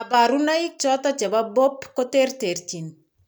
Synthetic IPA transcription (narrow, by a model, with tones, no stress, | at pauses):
a˨ba˨ɾuna˦ik̚t͡ʃɔt̪ɔ˦t͡ʃɛ˨ba˦bo˦pko˦te˦rte˨rt͡ʃi˨n